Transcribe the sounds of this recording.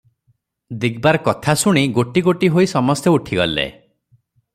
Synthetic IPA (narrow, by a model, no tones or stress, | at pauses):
d̪iɡbaɾɔkɔt̪ʰasuɽ̃iɡoʈiɡoʈiɦoisɔmɔst̪jɔuʈʰiɡɔ̰lḛ